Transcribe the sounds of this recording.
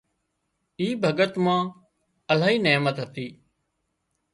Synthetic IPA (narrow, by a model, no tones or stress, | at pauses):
iːbʱəɡət̪mãː | əlaːɦiːneːmət̪ɦət̪iː